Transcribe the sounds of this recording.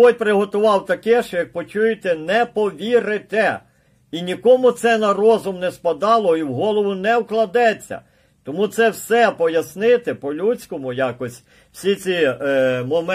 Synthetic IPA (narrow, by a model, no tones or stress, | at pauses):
ɔj̚ʲpɾɪɦɔt̪ʊʋɑwt̪ɐkɛʃt͡ʃɔjɐk̚pɔt͡ʃujɪt̪ɛnɛpɔʋʲiɾɪt̪ɛ | inʲikɔmʊt̪sɛnɐrɔzʊmnɛspɐd̪ɑlˠɔiwɦɔlˠɔʋʊnɛwklˠɐd̪ɛt͡sʲːɐ̰ | t̪ɔmut̪sɛwsɛpɔjɐsnɪt̪ɪpɔlʲut͡sʲkɔmʊjɑkɔsʲ | w̥sʲit͡sʲimɔm